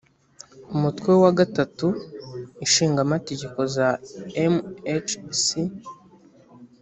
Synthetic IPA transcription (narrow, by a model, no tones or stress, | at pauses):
umutkwe̞waɡatatu | iʃiːŋɡamate̞ɟe̞ko̞zaemet͡ʃsi